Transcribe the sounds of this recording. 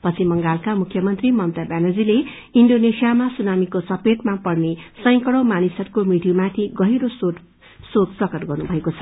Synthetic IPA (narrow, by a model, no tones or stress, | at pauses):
pʌt͡sʰimʌŋɡalkamukʰjʌmʌnt̪rimʌnt̪abanʌd͡zile | iɳɖonesijamasunamikosʌpeʈmapʌrnesʌj̃kʌɽʌwmanisʌtkomiʈjumat̪ʰiɡʌɦiɾoso | soksʌkʌʈɡʌrnubʱʌekot͡sʰʌ̥